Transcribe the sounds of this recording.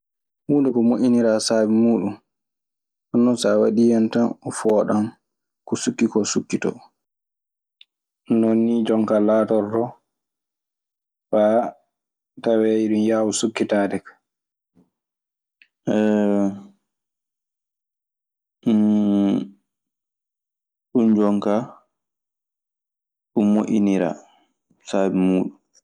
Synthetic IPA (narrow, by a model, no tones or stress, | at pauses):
huːndɛkɔmoʔʲiniɾasaːbimuːɗun | ɔnːɔnsawaɗijɛntanɔfɔːɗam | kɔsukːikɔsukːitɔ̰ | nonːid͡ʒɔŋkalaːtɔɾdɔ | fa | tawɛiɗunjaːwusukːitaːdɛkḁ | ʔɛ | ɗund͡ʒɔŋka | ɗumoʔiniɾa̰ | sabimuːɗum